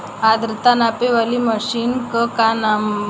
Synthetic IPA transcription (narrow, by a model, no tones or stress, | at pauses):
ad̪ɾt̪anapeʋəliməɕiːnkəkanam